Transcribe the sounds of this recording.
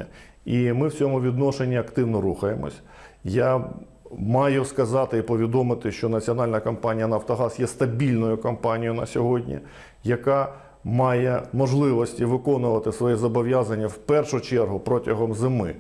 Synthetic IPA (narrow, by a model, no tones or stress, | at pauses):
imɪwt͡sʲɔmʊʋʲid̪nɔʃenʲːiɐkt̪ɪwnɔɾuxɐjemɔ̰sʲ | ja | mɑjʊskɐzɑt̪ɪipɔʋʲid̪ɔmɪt̪ɪʃt͡ʃɔnɐt͡sʲiɔn̪ɑlʲnɐkɐmpɑnʲijɐnɐft̪ɔɦɑsjɛst̪ɐbʲilʲnɔjʊkɐmpɑnʲijʊnɐsʲɔɦɔdʲnʲḭ | jɐkɑ | mɑjɛmɔʒlˠɪʋɔsʲtʲiʋɪkɔnʊʋɐt̪ɪsʋɔjɛzɔbɔʋʲjazɐnʲːɐwpɛrʃʊt͡ʃɛrɦʊpɾɔtʲɐɦɔmzɪmɪ̰